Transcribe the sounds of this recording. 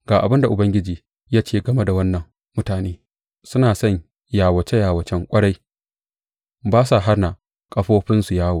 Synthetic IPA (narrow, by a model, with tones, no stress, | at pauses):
ɡ̥aː˨ʔa˨bɪ˦nda˨ʔʊ˨bɐ˦ŋɡʲɪ˦d͡ʒiː˨ | jaː˦t͡ʃeː˦˨ɡɐ˨me˦da˨wɐ˦nːɐ˨ŋː | ʊ˦taː˨neː˦ | sʊ˦naː˨sɐ˦˨ɲ | jaː˨wɐ˨t͡ʃe˦jaː˨wɐ˨t͡ʃɛ˦ŋkʷʼɐ˦ɽa˦j | baː˦sa˨ɦa˦rna˨ | kʼɐ˦ɸoː˦ɸɪ˦nsu˨jaː˦woː˨